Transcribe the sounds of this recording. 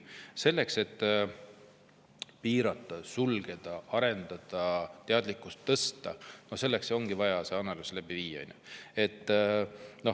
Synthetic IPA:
se̞lːe̞kse̞t̪ːˑ | piːɾɑt̪ːˑɑsulɡ̥e̞d̪̥ɑʔɑɾe̞nd̪̥ɑd̪̥ɑt̪e̞ɑd̪̥likːˑust̪ːɤst̪ɑ̰nose̞lːekso̞ŋɡ̥ivɑjɑseɑnɑluslæb̥iviːɑ̰ɑ̰jnʲue̞t̪ːno̞

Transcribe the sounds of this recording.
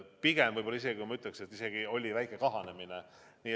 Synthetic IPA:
piɡ̥emvɤjbo̞lɑis̬e̞ɡikujmɑyt̪ːˑlekset̪ːˑise̞ɡ̥io̞lʲivæjkːˑekɑɦɑne̞mine | niː

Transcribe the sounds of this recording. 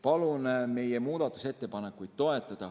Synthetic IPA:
pɑlunme̞jemuːd̪̥ɑt̪ːˑu̥se̞t̪ːe̞pɑne̞kːˑujd̪̥̚t̪o̞e̞t̪ːˑɑd̪̥ɑ

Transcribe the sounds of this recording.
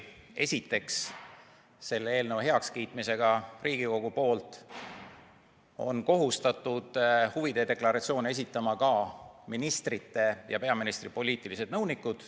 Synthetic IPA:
e̞sʲit̪ːˑe̞ksː | e̞lːee̞ːlnəwɦeɑkskijt̪mise̞ɡ̥ɑriːɡiko̞ɡ̥upo̞ːlt̪ˑ | o̞̰nko̞ɦust̪ɑt̪ːˑud̪̥huvid̪̥ed̪e̞klɑɾɑt̪sio̞ːnee̞s̬it̪ːˑɑmɑkɑminist̪rit̪ːe̞jɑ̰pe̞ɑminist̪ripo̞lʲiːt̪ːˑilise̞d̥̪nɤwnikːud̪̥

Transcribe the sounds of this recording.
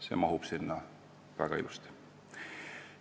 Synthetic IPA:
se̞ːmɑɦub̥sinːɑ | væ̰ɡ̥ɑilust̪i̥

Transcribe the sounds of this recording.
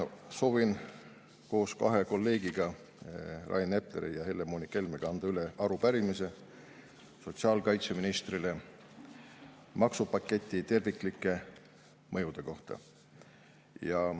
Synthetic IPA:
so̞ːvin | ko̞ːskɑɦe̞ko̞lːe̞ːɡ̥iɡ̥ɑ | rʔɑ̰jne̞pleɾḭjɑhe̞lːemonike̞lmeɡ̥ɑɑnd̪̥ɑyleʔɑɾupæɾimise̞ | so̞t̪ʲsiɑːlkɑjt̪se̞minist̪rile̞ | mɑksupɑkːˑe̞t̪ʲːˑit̪e̞rvikˑlikːˑe̞ | mɤjud̪̥e̞ko̞ht̪ɑ̰ | jɑ

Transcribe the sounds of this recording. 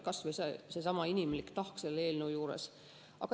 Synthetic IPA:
kɑsʋesesesɑmɑinʲimlikt̪ɑhkselːe̞ːlnəwjuːɾḛs | ʔɑ̰kɑ

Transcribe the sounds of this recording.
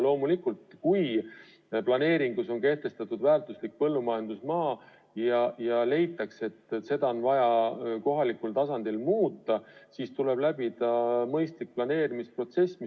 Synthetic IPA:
lo̞ːmulikːult̪kuj | plɑne̞ːɾiŋɡ̥uso̞nke̞ht̪e̞st̪ɑt̪ːˑud̪̥væːrt̪ˑuslik̚pɤ̞lːumɑjend̪̥usmɑː | jɑjɑle̞jt̪ːˑɑkse̞t̪ːse̞d̪̥ɑonvɑjɑko̞ɦɑlikːˑult̪ɑsɑnd̪̥ilmuːt̪ˑːɑsist̪ule̞blæb̥id̪ɑmɤ̞jst̪lik̚plɑne̞ːɾimispro̞t̪se̞smi

